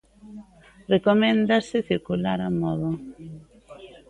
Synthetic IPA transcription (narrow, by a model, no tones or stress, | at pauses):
rekomẽnd̪asɪθiɾkulaɾamɔðo